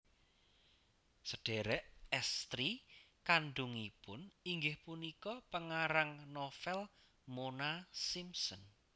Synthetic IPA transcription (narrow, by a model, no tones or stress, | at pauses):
səɖ̥eɾɛʔɛst̪ɾikanɖuŋipʊniŋɡɪhpunikɔpəŋaɾaŋnofɛl | monasimsɔn